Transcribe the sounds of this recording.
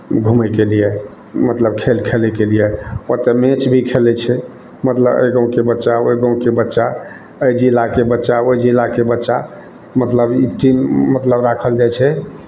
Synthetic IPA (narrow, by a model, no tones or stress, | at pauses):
ɡʱuməkelije | mət̪ləb̚kʰelkʰelɛkelijeot̪emẽt͡ʃbʱikʰelɛt͡ʃʰɛ | mət̪ləbə̰jɡə̃w̃kebətːʃaojɡə̃w̃kebətːʃa | əjd͡ʒilakebətːʃaoid͡ʒilakebətːʃa | mət̪ləbiʈimːət̪ləbɾakʰəld͡ʒajt͡ʃʰɛ